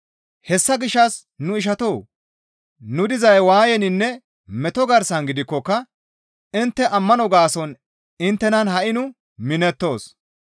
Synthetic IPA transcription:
hɛsːɐɡɪʃːɐs | nʊɪʃ̬ɐt̪oː | nʊd̪ɪzɐjwaːjɛnɪnːɛ | mɛt̪ɔɡɐɾsɐnɡɪd̪ɪkːɔkːɐ | ɪnt̪ːɛʔɐmːɐnɔɡaːsɔn | ɪnt̪ːɛnɐnɦɐʔɪnʊ | mɪnɛt̪ːo̞ːs

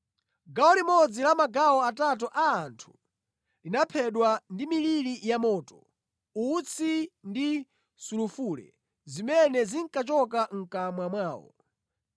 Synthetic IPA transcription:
ɡawɔlimɔd͡zilamaɡawɔatat̬ɔʔaːntʰu̥ | linapʰɛɗwandimililijamɔːtɔ | ut͡sʰindi | sulufuːlɛ̰ | zimɛnɛziŋkat͡ʃɔkaŋ̩kamwamwaːwɔ̰

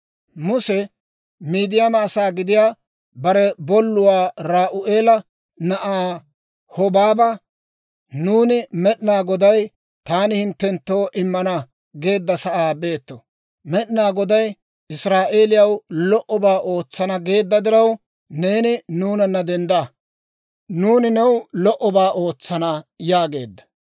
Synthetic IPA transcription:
mʊsɛ | miːd̪ɪjɐmaːsaːɡɪd̪ɪjaː | bɐɾɛbɔlːʊwaːɾaːʔʊʔeːlɐ | nɐʔaː | hɔbaːbɐ | nuːnɪmɛɗnaːɡɔd̪ɐj | t̪aːnɪhɪnt̪ːɛnt̪ːo̞ːʔɪmːɐnɐ | ɡe̞ːd̪ːɐsɐʔaːbe̞ːt̪ːɔ | mɛɗnaːɡɔd̪ɐj | ʔɪsɾaːʔe̞ːlɪjɐwlɔʔɔbaːʔo̞ːt͡sːɐnɐɡe̞ːd̪ːɐd̪ɪɾɐw | neːnɪnuːnɐnːɐd̪ɛnd̪a | nuːnɪnɛwlɔʔɔbaːʔo̞ːt͡sːɐnɐjaːɡe̞ːd̪ːɐ̥

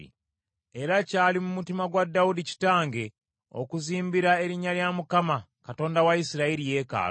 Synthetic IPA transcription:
ḭ | e̞ɾacaːlimumutimaɡwadːaudici̥taːŋɡe̞ | o̞̰kuziːmbiɾae̞ɾiɲaljamukama | kato̞ːndawaisiɾaiɾije̞ːka̰ː

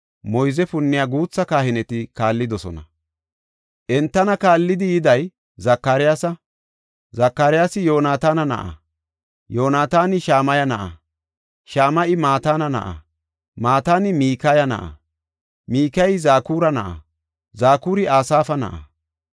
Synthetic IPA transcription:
mɔjzɛpʊnːɪjaːɡuːt͡sːɐkaːhɪnɛt̪ɪkaːlːɪd̪ɔsɔnɐ̰ | ʔɛnt̪ːɐnɐkaːlːɪd̪ɪjɪd̪ɐj | zɐkːaɾɪjaːsɐ | zɐkːaːɾɪjaːsɪjo̞ːnaːt̪aːnɐnɐ̰ʔɐ̰ | joːnaːt̪aːnɪʃaːmɐjɐnɐʔɐ̰ | ʃaːmɐʔɪmaːt̪aːnɐnɐ̰ʔɐ̰ | maːt̪aːnɪmiːkɐjɐnɐ̰ʔɐ̰ | miːkɐjzaːkuːɾɐnɐʔɐ̰ | zaːkuːɾɪaːsaːfɐnɐ̰ʔɐ̰

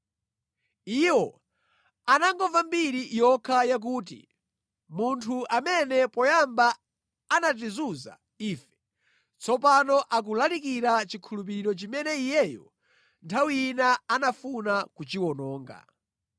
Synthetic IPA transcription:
iwɔ | anaŋɡɔvambiɾijɔkʰajak̬uːt̬ḭ | muntʰuʔamɛnɛpɔjambaː | nat̬izuza̰ | iːfɛ̥ | t͡sɔpanɔʔak̬ulalikiɾat͡ʃikʰulup̬iiɾɔt͡ʃimɛnɛijɛjɔ | ntʰawinaanafunakut͡ʃiwɔnɔːŋɡa̰

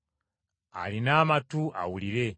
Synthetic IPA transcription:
a̰linaːmatuʔa̰wuliɾe

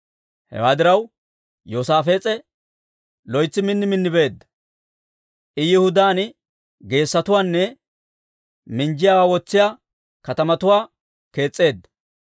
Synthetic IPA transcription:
hɛ̰waːd̪ɪɾɐw | joːsaːfe̞ːt͡sʼɛ | lɔjt͡sːɪmɪnːɪmɪnːɪbe̞ːd̪ːɐ̥ | ʔɪjɪhʊd̪aːn | ɡe̞ːsːɐt̪ʊwaːnːɛ | mɪnd͡ʒɪjaːwaːwɔt͡sːɪjaː | kɐt̪ɐmɐt̪ʊwaː | ke̞ːt͡sʼːe̞ːd̪ːɐ

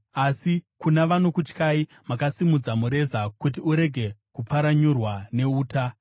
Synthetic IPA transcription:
asikunaʋano̞kut͡ʃkai | makasimud͡zamuɾe̞zakut̬iuɾe̞ɡʱe̞kupaɾaɲurwane̞uːta

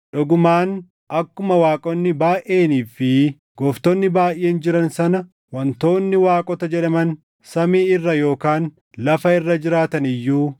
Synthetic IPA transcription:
ᶑʊɡʊmaːn | ɐkːʊmɐwaːkʼɔnːɪbaːʔʔe̞ːniːfɪ | ɡ̥ɔːft̪ɔnːɪbaːjʔːe̞ːnd͡ʒɪɾɐnsɐnɐ | wɐnt̪o̞ːnːɪwaːkʼɔt̪ɐd͡ʒɛᶑɐmɐn | sɐmiːɪrːɐjo̞ːkaːn | lɐfɐɪrːɐd͡ʒɪɾaːt̪ɐnɪjːuː

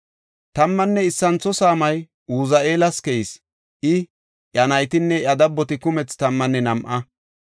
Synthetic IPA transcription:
t̪ɐmːɐnːɛɪsːɐnt͡sːɔsaːmɐj | uːzɐʔe̞ːlɐskɛjɪs | ʔɪ | ʔɐnɐjt̪ɪnːɛʔɐd̪ɐbːɔt̪ɪkʊmɛt͡st̪ɐmːɐnːɛnɐmʔɐ

